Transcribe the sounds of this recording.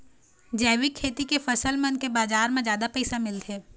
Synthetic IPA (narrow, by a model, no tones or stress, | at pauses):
d͡ʒɛːwikʰːeːt̪ikefɐsəlmẽʊnkebaːd͡ʒaːɾmẽzjaːd̪apɛɪsamɪlt̪ʰeː